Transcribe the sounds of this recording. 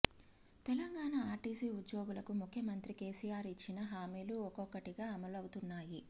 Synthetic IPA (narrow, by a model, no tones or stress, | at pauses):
t̪ɛlɐŋɡaːɳaaːɾʈiːsiːud̪jo̞ːɡulɐkumukʰjɐmɐnt̪ɾike̞ːsijaːɾit͡ʃːinɐɦaːmiːluɔkɔkːɐʈiɡaːɐmɐlɐwut̪unːaːji